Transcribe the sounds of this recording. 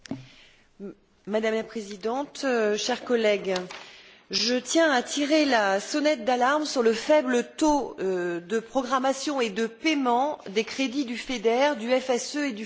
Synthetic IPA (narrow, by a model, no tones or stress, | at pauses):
mad̪amlapχezid̪ɑ̃t̪ʃɛʁkɔlɛɡ | ʒət̪jɛ̃at̪ʰiʁelasɔnɛt̪̚d̪alaʁmsyʁləfɛblət̪o | d̪əpχɔɡʁamasjɔ̃ed̪əpemɑ̃d̪ekχed̪id̪yfed̪ɛʁd̪yɛfɛsøed̪y